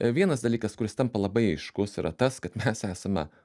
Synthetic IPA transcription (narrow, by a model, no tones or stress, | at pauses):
ʋʲiɛnɐsd̪ɐlʲiːkɐskʊɾʲɪst̪ɐmpɐlˠɐbɐɪɐɪʃkʊsiɾʔɐt̪ɐskɐt̪mʲɛsæːsɐmʲɛ̰